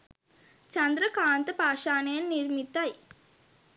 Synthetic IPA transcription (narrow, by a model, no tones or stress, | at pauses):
t͡ʃɐnd̪ɾɐkaːnt̪ɐpaːʂaːnɐjɐnniɾmit̪ːaj